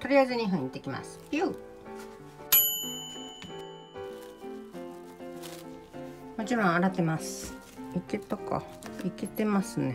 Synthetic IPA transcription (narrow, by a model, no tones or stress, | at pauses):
t̪oɾʲiazɨɲiɦɯ̃ɲit̪ekʲima̰sɨ̥pju | mot͡ɕiɾõɰ̃aɾat̪emasɨ̥ | iket̪oko̰iket̪emasɨne